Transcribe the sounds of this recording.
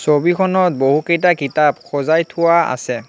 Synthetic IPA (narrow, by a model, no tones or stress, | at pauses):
sobikʰɔnɔt̚boɦukejt̬akitabxʰɔzajtʰʊwaa̰sɛ